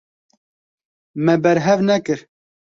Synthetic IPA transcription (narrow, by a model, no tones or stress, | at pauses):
mɛbɛɾɦɛvnɛkɨɾ